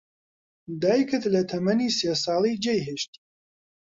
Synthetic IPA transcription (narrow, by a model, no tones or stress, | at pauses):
d̪aːjkɨt̪lɐt̪ʰɐmɐniːseːsɑːlˠid͡ʒejɦeʃt̪i̥